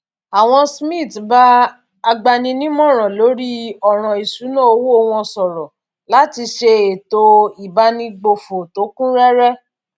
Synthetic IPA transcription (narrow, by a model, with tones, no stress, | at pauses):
a˨w̃ɔ̃˧smĩ˦˨tba˦ | a˧ɡ͡ba˧nĩ˧nĩ˦mɔ̃˦˨ɾ̃ã˨lo˨˦ɾi˦ɔ˦˨ɾ̃ã˨i˨ʃu˨˦nã˦o˧wu˦o˧w̃ɔ̃˧sɔ˨ɾɔ˨ | la˨˦ti˧ʃe˧e˨to˧i˨ba˦nĩ˧ɡ͡bo˧fo˨to˨˦kũ˦ɾɛ˦ɾɛ˦